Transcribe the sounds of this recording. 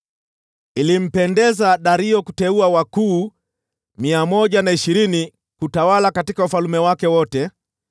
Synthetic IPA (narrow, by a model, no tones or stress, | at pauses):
ilim̩pɛndɛzaɗaɾiɔkutɛuawakuː | miamɔʄanaiʃiɾini | kutawalakatikaufalumɛwakɛwɔtɛ